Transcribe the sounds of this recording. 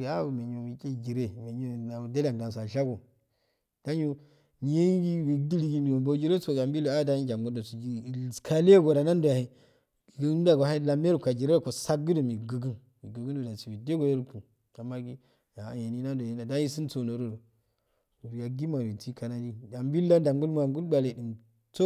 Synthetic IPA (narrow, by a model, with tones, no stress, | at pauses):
i˨a˦˨me˨ɲo˨wi˨kʲʼe˦˨ɡi˨ɾe˦˨me˨ɲo˦˨na˨da˦la˨ŋɡa˨ns̬a˨ɮa˦ɡo˨ | d̥a˦ɲo˦ | ɲ˦je˦ɡi˦wi˨di˦li˦ɡi˦mi˨wo˨bo˨˦d͡ʒi˦ɾe˦so˨ɡa˨mbi˦lo˨a˦da˦ɲi˦d͡ʒa˨mɡo˦ndo˨su˨i˦˨skʰa˦le˦ɡo˨ɾa˨na˦ndo˨a˨hi˨ | ɡn˦da˨ɡo˨ha˦˨la˨me˦ɾkʷa˨d͡ʒi˨ɾe˦˨ko˨sa˦ɡɡɨ˦do˨mi˨ɡə˨ɡɨ˦n | i˨ɡə˨ɡu˦ndu˨da˨si˨wi˨de˦ɡo˨de˦ɾu˦pu˨ | a˨mːa˦ɡi˦ | ja˨ja˨ni˦na˦n˦do˨i˦na˨da˦i˦si˦nt͡so˨no˨ɾo˦do˨ | u˨ɾi˨ja˨ɡi˦ma˨i˨ti˦ka˨na˨di˦a˨mbi˦lːa˦da˨ŋɡu˦lm˦a˨ŋɡu˦lba˨le˨di˨m | t͡so˦